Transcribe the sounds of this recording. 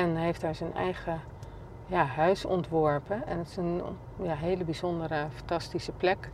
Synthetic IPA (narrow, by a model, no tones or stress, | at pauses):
ɛnɦejftaːɹzənɛ̰jχə | jaːɦœɥsɔ̰ntʋɔɹpənɛnətɪ̥sən | jaːɦejləbizɔndərəfɑntɑstisəplɛk